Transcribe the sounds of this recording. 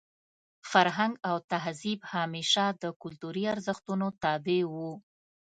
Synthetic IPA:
faɾɦaŋɡawt̪aɦzibhɑmeʃad̪əkʊlt̪uɾiaɾzəxt̪unot̪ɑbewu

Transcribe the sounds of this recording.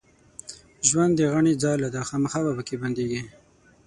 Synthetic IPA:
ʒwand̪ːəɣaɳid͡zɑjlad̪axɑmaxɑbapəkeband̪eɡi

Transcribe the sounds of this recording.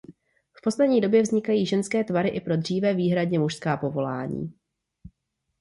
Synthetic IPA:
fpo̞slɛdɲiːdo̞bjɛvzɲɪkajiːʒɛnskɛːt̪vaɾɪʔɪpɾo̞dr̝̥iːvɛːviːɦɾadɲɛmuʃskaːpo̞vo̞laːɲḭː

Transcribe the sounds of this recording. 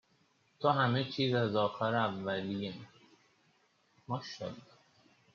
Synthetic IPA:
t̪ʰoɦæmet͡ʃʰiːzæzɒːxæɾævːælijem | mɒːʃɒ̰l

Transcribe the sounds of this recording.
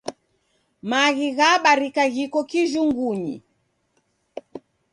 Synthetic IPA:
maɣiɣaɓaɾikaɣikɔkiʒuŋɡuɲḭ

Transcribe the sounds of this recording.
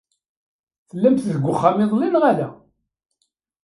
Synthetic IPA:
θəlːæmθðəɡʷːʊχːamɪðˤlinʁalæ

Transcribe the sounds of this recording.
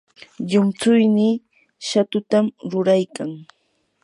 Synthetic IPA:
ʎʊmt͡sʊjnɪ | ʃat̪ʊt̪amɾʊɾajkaŋ

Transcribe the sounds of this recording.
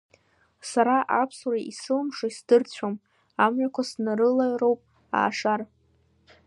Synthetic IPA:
saɾaʔapʰsuraʔisɨlmʂaisdɨrt͡ɕʷʰom | amɥakʷʰasnarɨlaɥro̞wpʼ | a̰ːʂar

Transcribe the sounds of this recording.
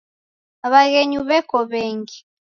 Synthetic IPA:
aβaɣɛɲuβɛkɔβɛːŋɡi

